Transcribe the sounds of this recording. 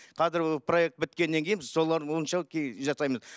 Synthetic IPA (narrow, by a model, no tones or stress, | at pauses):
qʰɑzɪɾˠpʰro̞je̞k̚t̪̚bɪt̪̚kʲe̞nːe̞ŋkʲʰejnbɪzso̞lˠɑɾd̪əwoənʃɑkʲʰeʒɑsɑjməz